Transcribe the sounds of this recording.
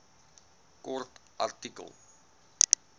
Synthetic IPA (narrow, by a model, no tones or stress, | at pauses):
kɔrtʔa̰rtikə̰lˠ